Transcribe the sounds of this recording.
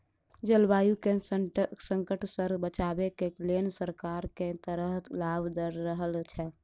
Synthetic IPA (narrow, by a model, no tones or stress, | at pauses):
d͡ʒəlbajukesəəsəŋkəʈsəɾbət͡ʃabekelensəɾkaɾket̪əɾəɦt̪labd̪əɾːəɦəlt͡ʃʰɛ